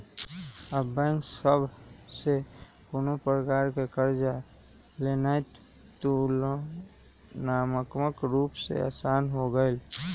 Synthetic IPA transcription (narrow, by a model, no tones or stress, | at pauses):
əbə̃ŋsəbʱsekonopɾəkaːɾkekəɾd͡ʒalenajt̪t̪ol | naːməkməkɾuːpsḛa̰ːsaːnɦoɡəɪl